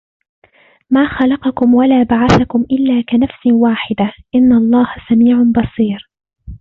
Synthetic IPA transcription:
maːxɑlɑqɑkʊmwalaːbaʕaθakʊmʔɪlːaːkanafsɪwaːħɪd̪aʔɪnːaʔɑlˤːɑːhasamiːʕabɑsˤiːɾ

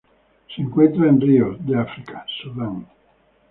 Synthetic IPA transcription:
siŋkwent̪ɾainriod̪iafɾikʰḁsolan

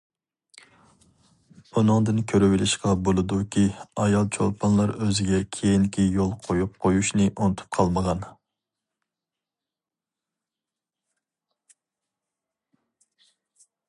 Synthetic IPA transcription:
b̥unɨŋd̪ɨnkʲʰøɾywɪlɪʃqɑbolˠɨd̪ukʲʰiɑjɑlˠt͡ʃʰo̰lˠpʰɑnlˠɑɾøzɪɡʲɛkʲʰejinkʲʰijolˠqʰojup̚qʰojuʃnɪʔunɨt̪ʰu̥p̚qʰɑlˠməʁɑn

